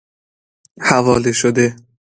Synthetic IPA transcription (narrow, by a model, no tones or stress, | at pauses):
havɒːleʃod̪e